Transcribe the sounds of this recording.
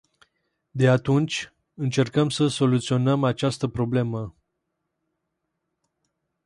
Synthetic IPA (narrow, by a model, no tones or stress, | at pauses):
d̪e̞at̪unt͡ʃʲ | ɨnt͡ʃe̞rkəmsəso̞lut̪sio̞nəmat͡ʃast̪əpɾo̞ble̞mə